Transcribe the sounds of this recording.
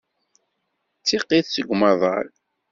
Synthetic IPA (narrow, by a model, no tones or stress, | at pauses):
t͡sːiqːiθsəɡʷːmɑðˤɑ̰l